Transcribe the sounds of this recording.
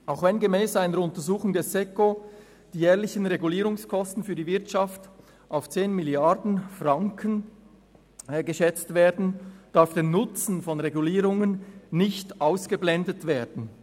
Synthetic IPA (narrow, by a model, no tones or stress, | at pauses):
ʔaʊxvɛnɡəmɛːsaɪnəɾʊntəzuːχʊŋdɛsɛko | d̥iːjɛːɐlɪçən̩ʁeɡuliːɾʊŋskʰɔstn̩fyːdivɪɐtʃɑft | ʔaʊft͡seːnmɪljɑɾdn̩fʁɑŋkʰən | ɡəʃɛt͡stveːɐdn̩d̥aɾfd̥eːnʊt͡sn̩fɔnʁeɡuliːɾʊŋənːɪçtʔaʊsɡ̥əblɛndətv̥eːɐdn̩